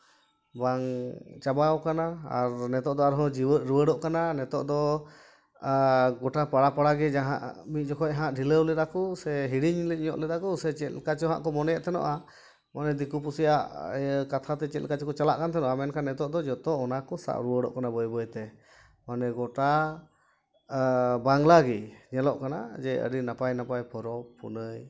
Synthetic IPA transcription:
baŋt͡ʃabawkanaaɾnɛt̪ɔʔd̪ɔaɾɦɔ̃d͡ʒiəɾuwəɽɔʔkananɛt̪ɔ̰ʔd̪ɔ | ɡɔʈapaɽapaɽaɡɛd͡ʒaɦã̰ʔmit̪̚ˀd͡ʒɔkʰɔc̚ɦãʔɖʱiləwlɛd̪akɔsɛɦiɽiɲlɛɲɔ̰ʔlɛd̪akɔsɛt͡ʃɛt̪kat͡ʃɔɦa̰ʔkɔmɔnɛjaʔt̪ʰɛnɔ̰ʔa | manɛd̪ikupusija̰ʔkat̪ʰat̪ɛt͡ʃɛt̪lkat͡ʃɔkɔt͡ʃalaʔkant̪ʰɛnɔʔamɛnkʰanːɛt̪ɔʔd̪ɔd͡ʒɔt̪ɔɔnakɔsa̰ʔɾuəɖɔ̰ʔkanabəjbɔjɛt̪ɛ | manɛɡɔʈa | baŋlaɡiɲɛlɔʔkana̰d͡ʒɛʔə̰ɾinapajnapajpʰɔɾɔpṵnəj

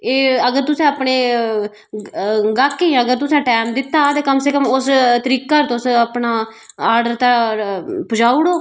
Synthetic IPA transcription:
eːəɡəɾt̪ʊsẽːapɳeː | ɡaːkːeãəɡəɾt̪ʊsẽːʈɛːmd̪ɪt̪ːaːt̪eːkəmsekəmʊst̪əɾiːkːaːɾt̪ːʊsapnaː | aːɾɖəɾt̪ãːpʊd͡ʒaːuɽoː

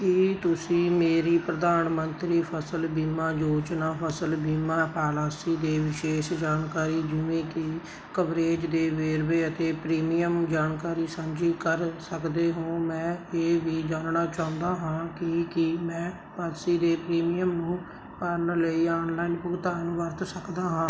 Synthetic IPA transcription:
kɪt̪ʊsĩːmeːɾiːpɾəd̪aːnmənt̪ɾiːpʰəsəlbiːmãːd͡ʒoːt͡ʃnaːpʰəsəlbiːmaːpaːlaːsiːd̪eːʋɪʃeːʃd͡ʒaːnkaːɾiːd͡ʒɪʋẽːkɪ | kəʋɾeːd͡ʒd̪eːʋeːɾbeːət̪eːpɾiːmijəmd͡ʒaːnkaːɾiːsə̃nd͡ʒiːkəɾsəkd̪eːɦõːmɛ̃ːeːʋiːd͡ʒaːnnaːt͡ʃaːʊ̃nd̪aːɦãːkɪkɪmɛ̃ː | paːd̪siːd̪eːpɾiːmiːjəmnũː | pəɾnləiːaːnlaːinpʊɡt̪aːñːʋəɾt̪səkd̪aːɦãː

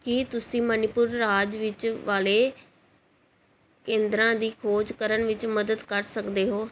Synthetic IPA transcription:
kɪt̪ʊsĩːmənɪpʊɾːaːd͡ʒʋɪt͡ʃʋaːleː | kẽːnd̪ɾãːd̪iːkʰoːd͡ʒkəɾəɳʋɪt͡ʃməd̪əd̪kəɾsəkd̪eːɦoː

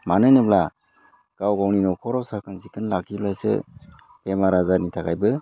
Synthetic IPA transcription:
manɯnɯbla | ɡ̥awɡawninɔkʰɔɾɔwsakʰanzikʰɯnlakʰiblajsɯ̰ | pemaɾazanitʰakʰajbɯ

